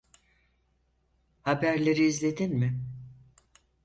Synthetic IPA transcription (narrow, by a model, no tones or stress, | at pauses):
habæɾlʲe̞ɾiːzlʲe̞d̪inmɪ